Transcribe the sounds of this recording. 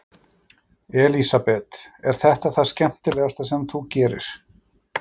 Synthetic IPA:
ɛlisapɛt̪ɛɾ̥θɛht̪aθascɛm̥t̪ɪlɛːɣast̪asɛmθucɛːɾɪ̰ɾ̥

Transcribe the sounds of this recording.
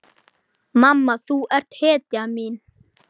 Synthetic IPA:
mamːaθuɛr̥t̪hɛːt̪amiːn

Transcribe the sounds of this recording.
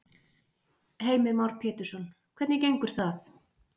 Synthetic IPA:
heːjmɪɾmawɾ̥pʰɛːt̪ʏɾ̥sɔnkʰvɛt̪nɪcejŋkʏɾ̥θaθ

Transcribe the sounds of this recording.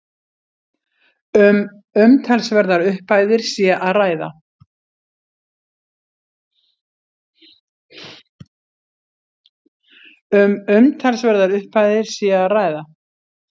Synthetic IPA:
m | ʏmt̪ʰalsvɛɾðaɾʏhpaːjðɪɾ̥siːaʔaðraːjða̰ | ʏmʏmt̪ʰalsvɛɾðaɾʏhpajðɪɾ̥siːaːraːjða

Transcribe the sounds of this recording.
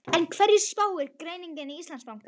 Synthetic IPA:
ɛnkʰvɛɾjɪ̥spaːwɪɾkɾeːjniŋkɪniist̪lansmawŋk

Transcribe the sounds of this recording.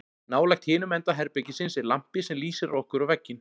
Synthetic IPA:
naːwlajxt̪hɪːnʏmɛnt̪aɦɛɾpɛcɪsɪnsɪɾlam̥pɪsɛmliːsɪɾɔhkʏɾavɛcːɪn

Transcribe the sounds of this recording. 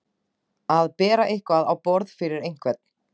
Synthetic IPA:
aðpɛːɾaʔɪhkvaðawpɔɾðfɪɾɪɾejŋ̥kʰvɛt̪̚n̥

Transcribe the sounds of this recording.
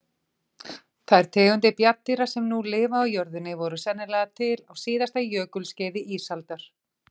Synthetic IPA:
θaðɛɾ̥t̪ʰɛːɣʏnt̪̬ɪpjat̪ːiɾasɛmnulɪːvaːwjœɾðʏnːɪvɔɾʏsɛnːɪlɛːɣat̪ʰɪlawsiːðast̪ajœːkʏlscɛːjðɪʔisalt̪aɾ̥

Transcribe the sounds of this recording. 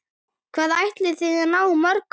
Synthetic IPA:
kʰv̥aːðaajht̪lɪθɪɣɛɾnaːwmœɾk

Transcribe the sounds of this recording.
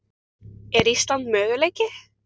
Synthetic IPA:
ɛɾist̪ant̪mœːɣʏlejcɪ

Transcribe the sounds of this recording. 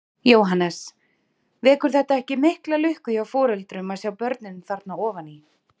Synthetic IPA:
joːwɦanːɛs | vɛːkʏɾ̥θɛht̪aɛhcɪmɪhklalʏhkʏjawfɔːɾʏlt̪ɾʏmaðsjawpœɾt̪nɪnmθaɾ̥t̪naɔːvani

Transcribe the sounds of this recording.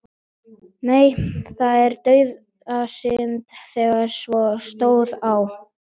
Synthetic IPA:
neːjθaðɛɾt̪œːɥð | asɪnt̪θɛɣaɛɾsvɔst̪oːwðaw

